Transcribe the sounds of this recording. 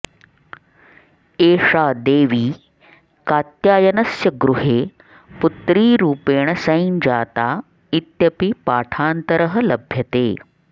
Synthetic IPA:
eːʂaːd̪eːʋiː | kaːt̪jaːjɐnɐsjɐɡɾuɦeː | put̪ɾiːɾuːpeːɳ̃ɐsɐind͡ʑaːt̪aː | it̪jɐpipaːʈʰaːnt̪əɾəɦəlɐbʱjɐt̪eː

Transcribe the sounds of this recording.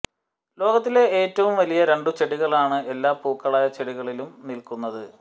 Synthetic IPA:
lo̞ːɣɐt̪̬ːile̞eːtːɐʋumʋɐlijɐɾe̞ɳɖut͡ɕeɽiɣɐɭaːɳɨe̞lːaːpuːkːɐɭaːjɐt͡ɕeɽiɣɐɭilumnilkunːɐðɨ

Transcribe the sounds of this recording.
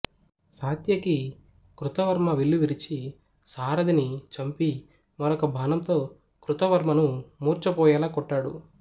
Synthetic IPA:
saːt̪jɐki | kɾut̪ɐʋɐɾmɐʋiɭːuʋiɾit͡ʃi | saːɾɐd̪init͡ʃɐmpi | mɔɾɔkɐbʱaːnɐnt̪o̞ː | kɾut̪ɐʋɐɾmɐnumuːɾt͡ʃɐpɔːjɐːlaːkɔʈːaːɽṵ

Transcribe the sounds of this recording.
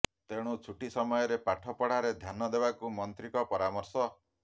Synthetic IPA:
t̪eɽ̃ut͡ʃʰuʈisɔmɔjɔɾepaʈʰɔpɔɽaɾed̪ʱjanɔd̪ebakumɔnt̪ɾikɔpɔɾamɔɾsɔ

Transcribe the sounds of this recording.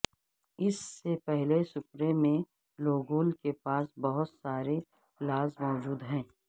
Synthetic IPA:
ɪsːepɛɦlesʊpɾemẽ | loːɡoːlkepaːsbɐɦʊt̪saːɾe | laːzmɔːd͡ʒuːd̪ɦɛ̃ː

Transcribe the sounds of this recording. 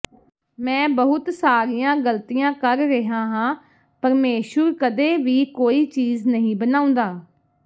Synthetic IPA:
mɛ̃ːbəɦʊt̪saːɾijãːɡəlt̪iːjãːkəɾːɪɦãːɦãː | pəɾmeːʃəɾkəd̪eːʋiːkoːiːt͡ʃiːznəɦĩːbənaːʊ̃nd̪aː

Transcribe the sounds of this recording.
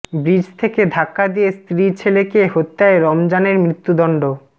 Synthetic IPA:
bɾid͡ʑʱt̪ʰeked̪ʱakːad̪ijest̪ɾit͡ɕʰelekeɦot̪ːaeɾɔmd͡ʑaneɾmɾit̪ːud̪ɔɳɖo

